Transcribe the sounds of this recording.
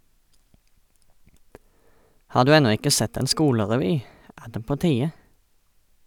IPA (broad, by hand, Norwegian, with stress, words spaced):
ˈhɑː ˈdʉː ˈɛnɔ ˈɪkə ˈsɛt ˈeːn ˈskuːləʁɛˌʋyː ˈæː ˈdeː ˈpoː ˈtiːə